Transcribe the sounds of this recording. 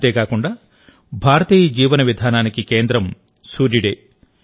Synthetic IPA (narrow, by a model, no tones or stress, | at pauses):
t̪eːkaːkuɳɖaː | bʱaːɾɐt̪iːjɐd͡ʒiːʋɐnɐʋid̪ʱaːnaːnikikeːnd̪ɾɐm | suːɾiɽeː